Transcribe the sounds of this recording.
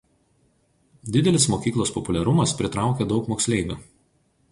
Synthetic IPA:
d̪ʲɪd̪ʲɛlʲɪsmoːkʲiːklˠoːspɔpʊlʲɛɾʊmɐspʲɾʲɪt̪ɾɑˑʊkʲeːd̪ɒʊkmoːksʲlʲɛˑɪbʲu

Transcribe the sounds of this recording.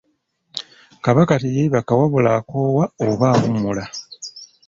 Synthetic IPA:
kaβakatijeβakawaβulakoːwaoβaːβumula

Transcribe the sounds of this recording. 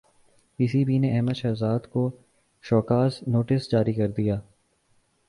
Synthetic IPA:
piːsibʱineɛɦməd̪ʃɐːzaːd̪ko | ʃɔːkaːsnoːʈɪsd͡ʒaːɾikɐɾd̪ijaː

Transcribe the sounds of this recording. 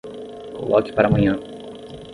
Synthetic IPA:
ko̰lʔɔkɪ̥paɾaːmɐ̃ɲɐ̃

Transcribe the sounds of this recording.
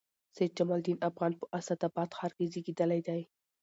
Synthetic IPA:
sajd̪̚d͡ʒamɑld̪inafɣɑnpəʔasad̪abɑt̪xɑɾɡiziɡid̪alajd̪aj

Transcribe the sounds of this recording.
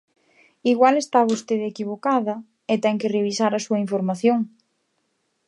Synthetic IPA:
iɣwalest̪aβost̪eðekiβ̞okaðɐ | ɪt̪ɛŋkɪreβisaɾɐsuɐiɱfoɾmaθjoŋ

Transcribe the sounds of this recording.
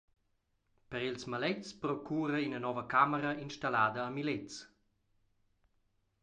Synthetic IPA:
pəɾilsmalɛt͡spɾɔkʰuːɾəinənɔvəkaməɾəinʃtalaːd̪əːmilet͡s

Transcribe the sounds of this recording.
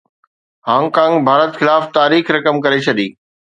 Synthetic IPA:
hãːŋkãːŋɡbʱaːɾət̪xɪlaːft̪aːɾiːxɾɐkəmkɐɾet͡ɕʰɐɗiː

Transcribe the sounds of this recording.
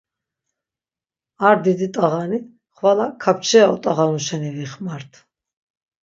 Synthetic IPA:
aɾd̪id̪it̪ʼaʁani | χwalakʰap̚ʰt͡ʃʰɛaɔt̪ʼaʁaluʃɛniviχmaɾt̪ʰ

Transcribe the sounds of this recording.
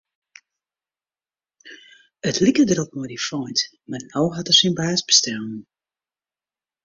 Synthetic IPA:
ətʰlikədəɾɔp̚nɔjdifɔjnt | marnɔwɦatərsinbaːsbəstɛl

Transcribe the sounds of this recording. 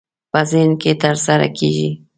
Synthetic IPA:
pəzenket̪əɾsaɾa̰kʰḛʒi

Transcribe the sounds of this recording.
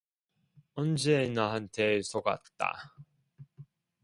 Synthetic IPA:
ʌnd͡ʑenaɦantʰesʰoɡa̰tt͈a̰

